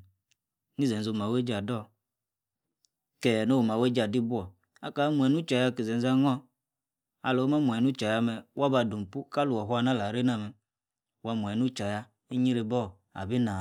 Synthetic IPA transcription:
ni˦ze˨zo˨ma˨we˦d͡ʒa˨dɔ˦˨ | kɛ˨no˦wma˨we˦d͡ʒa˨di˦bu˦ɔ˨ | a̰˨ka˨˦mu˨ɛ˨nu˦t͡ʃa˨ja˦˨ki˨ze˨n˦za˦ŋɔ˦ | a̰˨lo˨˦ma˦mʷ˨ɛ˨nu˦t͡ʃa˨ja˦mɛ˨wa˦ba˨du˨m˨pu˦ka˦lu˨ɔ˨ɦu˦a˧˦na˦la˨ɾe˦na˦˨mɛ˨ | wa˦mʷ˨ɛ˨nu˦t͡ʃa˨ja˦ | i˦ɲi˦ɾe˨bɔ˦˨ | a̰˨bi˦na˨

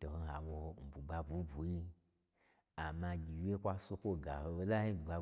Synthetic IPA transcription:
to˨ho˧ɦa̰˨wo˧m̩˨bu˨ɡ͡ba˧bu˨˦bu˨˦ji˧ | a˨ma˧ɡʲi˨wʲe˦kʷa˧su˦kʷo˦ɡa̰˨ho˧o˦la˦i˦˨ɡ͡ba˧

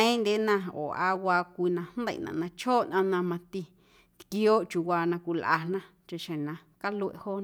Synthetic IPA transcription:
ẽ˦ĩ˦nd̪e˦nã˧o̰˨a˧wa˧kʷi˧nã˧hn˦d̪ḛ˧˨nã̰˨nã˧t͡ʃʰoː˦nʔã˧nã˧mã˧t̪i˧ | ki˧˦o˦t͡ʃu˨wʷa˧nã˧kʷu˧lʔa̰˧n̥nã˦ | t͡ʃa˧ʃẽ˨nã˧ | ka˦lu˧ḛ˧˨ho˦n˧

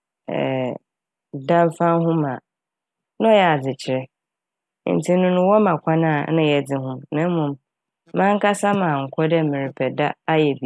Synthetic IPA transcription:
ɛ̰˨ | dã˦m˦fã˦nɦʊ̃˦mã˨ | nã˦ɔ˦jɛ˨a˨d͡zɪ˨t͡ɕʰɪ˨ɾɛ˦ | n̩˨tʰi˦nʊ̃˦nʊ̃˦wɔ˦mã˨kʰʷã˦nãː˦˨nʊ̃˦jɛ˨d͡zɪ˨ɦʊ̃˦mnã˦m˦mũ˨m | mã˦ŋ˦kʰa˦sa˦mã˨ŋ̩˨kʰɔ˦dɛ˦mɪ̃˨ɾɪ˨pʰɛ˨da˦a˦jɛ˨bi˨˦˨

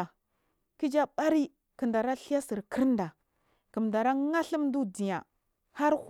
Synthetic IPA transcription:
a˨ | ki˦d͡ʒa˦ɓa˦ɾi˦ | kə˨nda˨ɾa˦ɬi˦ja˦si˨ɾki˦ɾnda˨ | kə˨mnda˨ɾa˦ŋa˦ɬi˦m˦du˦di˨ja˨ | ha˦ɾ

